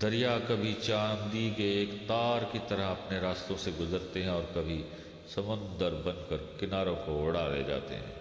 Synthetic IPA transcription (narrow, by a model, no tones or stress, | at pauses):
d̪̥ɐɾijakɐbʱit͡ʃaːnd̪ikeːkt̪aːɾkit̪ɐɾəɦɐpneɾaːst̪õseɡʊzəɾt̪eɦɛ̃ɔːɾkɐbʱi | sɐmʊ̃nd̪əɾbɐ̃nkəɾkɪnaːɾõkoʊɽalḛd͡ʒa̰ːt̪ḛɦɛ̰̃ː